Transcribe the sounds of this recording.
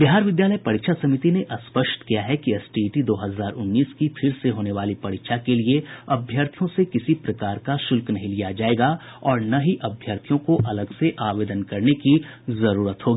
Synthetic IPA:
bɪɦaːɾʋɪd̪jaːləjpɐɽɪkʃʰasɐmɪt̪ineʔɐspəʃʈ̪kijaɦɛkiɛsʈiʈid̪oːɦɐzaːɾʔʊnːiːskipʰɪɾseɦoːneʋaːlipɐɽɪkʃʰakelieɐbʱjaɾt̪ʰijõsekɪsipɾɐkaːɾkaʃʊlknɐɦĩlijad͡ʒaːeːɡa | ɔːɾnaɦiʔɐbʱjəːɾt̪ʰijõkoʔɐləɡseʔaːʋeːd̪ənkɐɾneki | zɐɾuːɾət̪ɦoːɡiː

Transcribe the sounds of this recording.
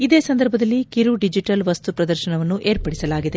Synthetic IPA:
id̪eːsɐnd̪ɐɾbʱɐd̪ɐlːikiɾuɖid͡ʒiʈɐlʋɐst̪upɾɐd̪ɐɾʃɐɳɐʋɐnːuʔeːɾpɐɽisɐlaːɡid̪e̞

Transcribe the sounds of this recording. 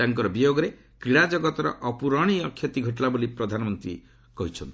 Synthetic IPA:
aŋkɔɾɔbijoɡɔɾe | kɾiɽad͡ʒɔɡɔt̪ɔɾɔ̰ʔɔpuɾɔɽ̃iɔkʰjɔt̪iɡʱɔʈlabolipɾɔd̪ʱanɔmɔnt̪ɾḭ | kɔɦit͡ʃʰɔnt̪i̥

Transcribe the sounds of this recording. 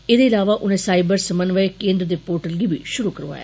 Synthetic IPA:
eːd̪eːɪlaːʋaːʔʊnẽːsaːɪbəɾsəmənʋəekẽːnd̪ɾəd̪eːpoːɾʈəlɡiːbiːʃʊɾuːkəɾʋa̰ːja̰

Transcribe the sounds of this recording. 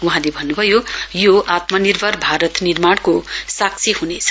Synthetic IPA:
wuɦãlebʱʌnːubʱʌjojoʔat̪mʌnirbʱʌrbʱaɾʌt̪nirmaɽ̃kosak̚t͡sʰihunet͡sʰʌ

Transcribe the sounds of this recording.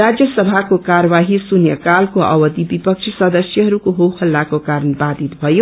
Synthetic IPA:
ɾad͡zjʌsʌbʱakokaɾʌβaɦisunjʌkalkoʌ̰wʌd̪ibipʌkt͡ʃʰisʌd̪ʌsjʌɦʌɾukoɦowkʰʌlːakokaɾənbad̪it̪bʱʌjo

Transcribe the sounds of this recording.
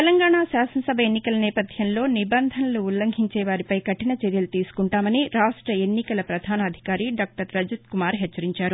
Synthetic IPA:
t̪elɐŋɡaːɳaːsaːsɐnɐsɐbʱɐenːikɐlɐnɛːpɐd̪ʱjɐmlo̞ːnibɐnd̪ʱɐnɐluːlːɐŋɡʱiɲt͡ʃeːʋaːɾipɐjkɐʈinɐt͡ʃeɾjɐlut̪iːsu̥kuɳʈaːmɐniɾaːʂʈɾɐe̞nːikɐlɐpɾɐd̪ʱaːnɐːd̪ʱi̥kaːɾiɖaːk̚ʈɐɾːɐd͡ʒɐt̪kumaːɾɦɛt͡ʃːɐɾiɲt͡ʃaːɾu

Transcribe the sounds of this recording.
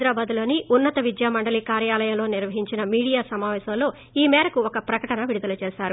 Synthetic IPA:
d̪ɾaːbaːd̪ulo̞ːniʔunːɐt̪ɐʋid̪jaːmɐɳɖɐliːkaːɾjaːlɐjɐmlo̞ːniɾʋɐɦiɲt͡ʃinɐmiːɽijaːsɐmaːʋɛːʃɐmlo̞ː | iːmɛːɾɐkuokɐpɾɐkɐʈɐnɐʋiɽud̪ɐlɐt͡ʃeːʃaːɾu

